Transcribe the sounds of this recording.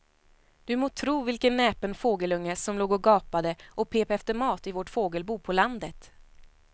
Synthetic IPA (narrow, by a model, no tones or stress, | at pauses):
d̪̥ɵmoːt̪ʰɾuːvɪlkənːɛːpənfoːɡəlɵŋːəsɔmloːɡɔɡɑːpad̪əʔɔpʰeːpɛft̪əɾmɑːt̪ɪvɔʈfoːɡəlbuːpʰɔland̪ət̪